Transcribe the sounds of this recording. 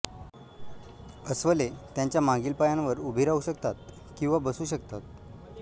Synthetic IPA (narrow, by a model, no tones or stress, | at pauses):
əsʋəlet̪jãɲt͡ɕjamãŋɡiːlpajãnʋəɾubʱiːɾauɕəkt̪at̪̚ | kĩw̃ʋabəsuːɕək̚t̪at̪̚